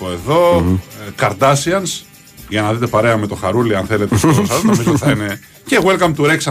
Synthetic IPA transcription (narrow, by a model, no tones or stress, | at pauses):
oe̞ðo̞kɐɾd̪ɐsiɐns | ʝɐnɐðit̪e̞pɐɾe̞ɐme̞t̪o̞xɐɾuliɐnθe̞le̞t̪eesosɐznomizot̪iθɐine̞ | ceɣwelkɐmt̪uɾeksɐ